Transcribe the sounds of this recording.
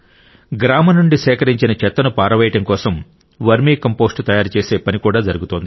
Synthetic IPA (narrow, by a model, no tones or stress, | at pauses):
ɡɾaːmɐnuɳɖisɛːkɐɾiɲt͡ʃinɐt͡ʃɛt̪ːɐnupaːɾɐʋɐjiʈɐmkɔːsɐm | ʋɐɾmiːkɐmpo̞ːsʈt̪ɐjaːɾut͡ʃe̞ːse̞ːpɐnikuːɽaːd͡ʒɐɾuɡut̪oːnd̪i